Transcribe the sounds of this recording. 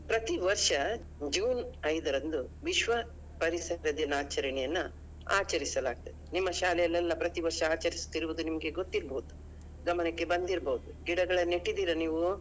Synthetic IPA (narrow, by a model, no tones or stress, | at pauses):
pɾɐt̪iʋɐɾʂɐ | d͡ʒuːnɐjd̪ɐɾɐnd̪uʋiʃʋɐ | pɐɾisɐɾɐd̪inaːt͡ʃɐɾɐɳɛjɐnːu | a̰ːt͡ʃɐɾisɐlaːɡ̚t̪ɐd̪enimːɐʃaːlɛjɐlːɛlːɐpɾɐt̪iʋɐɾʂɐaːt͡ʃɐɾist̪iɾuʋud̪unimɐɡe̞ɡot̪ːiɾbɐɦud̪u | ɡɐmɐnɐkːe̞bɐnd̪iɾbɐɦud̪uɡiɽɐɡɐɭɐnːeʈːid̪iːɾɐniːʋu